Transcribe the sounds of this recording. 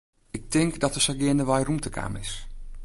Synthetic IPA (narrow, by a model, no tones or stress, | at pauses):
ɪk̚tɪŋkdɔtəsɔɡɪəndəʋajrumtəkʰa̰ːmɪ̰s